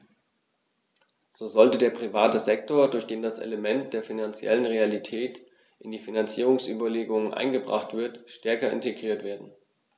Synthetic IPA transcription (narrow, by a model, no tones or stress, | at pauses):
z̥oːzɔltədeːɐpʁ̥ivaːtəzɛk̚toːɐdʊɐçd̥eːndasʔɛ̰ləmɛnt̚d̥eːɐfinant͡sjɛ̰lənʁealitʰɛːt | ʔɪndiːfinant͡siːʁ̞ʊŋsʔy̰ːbɐleːɡʊŋənʔa̰ɪnɡəbʁa̰χtv̥ɪɐtʃtɛɐkɐɪ̰nteɡʁiːɐtv̥eːɐdn̩